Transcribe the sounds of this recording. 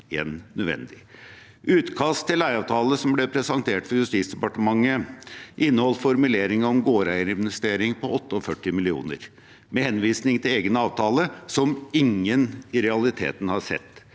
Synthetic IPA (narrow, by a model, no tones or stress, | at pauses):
ḛːnːœd̪ʋɛ̰nd̪ɪ | ʔʉːt̪kʰɑst̪ʰːɪlːæɪɑʋt̪ʰɑːləsɔmblɛpʰɾɛsɑnt̪ʰeːʈfɔɾjʉst̪iːt̪sd̪ɛpɑʈəmɑŋːəʔɪnːəhɔlːfɔɾmʉleːɾɪŋəɔmɡoːɾæɪəɾɛmnɪst̪eːɾɪŋpʰɔɔt̪ːəɔfœʈːɪmɪlɪṵːnə̰ɾ | mɛhɛnʋiːsnɪŋt̪ʰɪleːɡnəɑːʋt̪ʰɑːləsɔmɪŋːənɪɾɛɑlɪt̪ʰḛːt̪n̩hɑʂɛ̰t̪ː